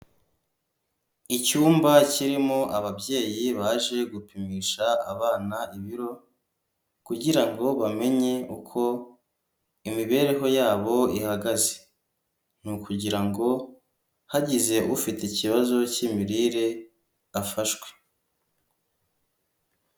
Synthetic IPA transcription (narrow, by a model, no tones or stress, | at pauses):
icuːmbaciɾimoʔaβabje̞ːjiβaːʒe̞ɡupimiːʃa̰ːβaːnaiβiɾo̞ | kuɟiɾaŋɡo̞βame̞ɲe̞ukʰo̞ | imiβe̞ːɾe̞ɦo̞jaːβo̞ihaɡaze | n̥ukuɟiɾaŋɡo̞ | haɟize̞ʔufiteciβazo̞cimiɾiɾe | afaʃɡwe̞̥